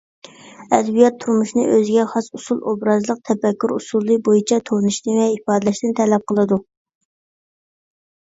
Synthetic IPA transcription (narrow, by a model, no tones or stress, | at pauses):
ɛd̪bijɑt̪ʰːuɾmuʃnɨ̰ʔøzɪɡʲɛχɑsusulˠobɾɑzlˠəq̚t̪ʰɛpɛkʲːyɾusulˠːɨbojit͡ʃʰɛt̪ʰonɨʃnɨvɛipɑːd̪lɛʃt̪ɪnt̪ʰɛlɛp̚qʰəlˠɨd̪u